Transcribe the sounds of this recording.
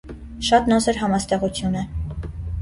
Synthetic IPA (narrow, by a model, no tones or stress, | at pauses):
ʃɑt̪nɔsɛɾɦɑmɑst̪ɛʁut͡sʰjunɛ